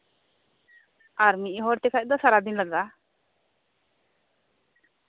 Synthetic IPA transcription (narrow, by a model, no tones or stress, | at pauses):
aɾmiʔɦɔɾt̪ekʰat̚d̪ɔsaɾad̪inləɡa